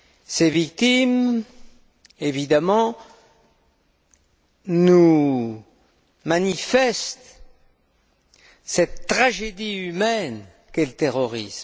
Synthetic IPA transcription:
sevik̚t̪im | evid̪amɑ̃ | nu | manifɛst̪ | sɛt̪ːχaʒed̪iymɛn | kɛlət̪eʁɔʁism

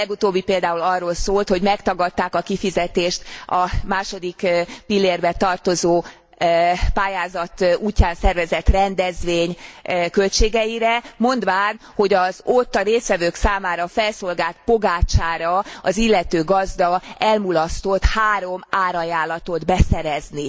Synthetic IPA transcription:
ɛɡut̪oːbːipeːld̪aːulɒrːoːlsoːlt̪ho̞ɟmɛkt̪ɒɡɒt̪ːaːkɒkifizɛt̪eːʃt̪ɒmaːʃo̞d̪ikpilːeːrbɛt̪ɒrt̪o̞zoː | paːjaːzɒt̪uːcːaːnsɛrvɛzɛt̪rɛnd̪ɛzʋeːɲkø̞lt͡ʃeːɡɛjiɾɛmo̞nd̪ʋaːn | ho̞ɟɒzo̞t̪ːɒɾeːsʋɛvøːksaːmaːɾɒfɛlso̞lɡaːlt̪̚po̞ɡaːt͡ʃaːɾɒɒzilːɛt̪øːɡɒzd̪ɒɛlmulɒst̪o̞t̪haːɾo̞maːɾɒjaːlɒt̪o̞d̪bɛsɛɾɛzni

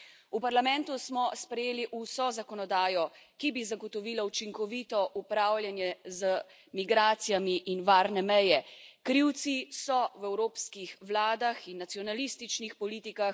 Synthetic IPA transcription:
upaɾlamɛ̃nt̪usmɔspɾɛjeːliʔusɔzakɔnɔd̪aːjɔkibizaɡɔt̪ɔʋiːlaut͡ʃiŋkɔʋiːt̪ɔʔupɾaːwlʲjanjɛzə | miɡɾaːt̪sijamiʔinʋaːɾnɛmɛjɛkɾiwt̪sisɔwɛwɾoːpskixʋlaːd̪axinːat̪sijɔnalist̪it͡ʃnixpɔliːt̪ikax

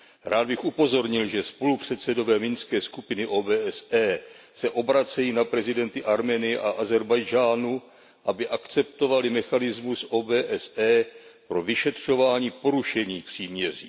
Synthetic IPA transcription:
ɾaːd̪̚bɪxʔupo̞zo̞ɾɲɪlʒɛspo̞lupr̝̥ɛt̪sɛdo̞vɛːmɪnskɛːskupɪnɪʔoːbɛːɛsɛː | sɛʔo̞bɾat͡sɛjiːnapɾɛzɪdɛnt̪ɪʔaɾmɛːnɪjɛʔaʔazɛɾbajd͡ʒaːnu | ʔabɪʔakt͡sɛp̚t̪o̞valɪmɛxanɪzmusʔo̞ːbɛːʔɛsɛːpɾo̞vɪʃɛt̪r̝̥o̞vaːɲiːpo̞ɾuʃɛɲiːpr̝̥iːmɲɛr̝ḭː

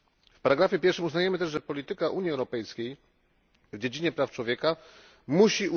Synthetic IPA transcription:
fpaɾaɡɾafʲjɛpʲjɛɾfʂɘmuznajɛmɘt̪ɛʐʐɛpɔlʲit̪ɘkaʔuɲjiɛwɾɔpɛjskʲej | vd͡ʑed͡ʑiɲɛpɾaft͡ʂwɔvʲjɛka | muɕiu

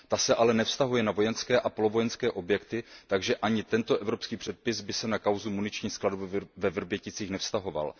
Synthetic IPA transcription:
t̪asɛʔalɛnɛfst̪aɦujɛnavo̞jɛnskɛːʔapolovo̞jɛnskɛːʔo̞bjɛkt̪ɪt̪aɡʒɛʔaɲɪt̪ɛnt̪oʔɛvɾo̞pskiːpr̥ɛt̪̚pɪsbɪsɛnakawzumunɪt͡ʃɲiːxskladobvɛvr̩bjɛcɪt͡siːxnɛfst̪aɦo̞va̰l

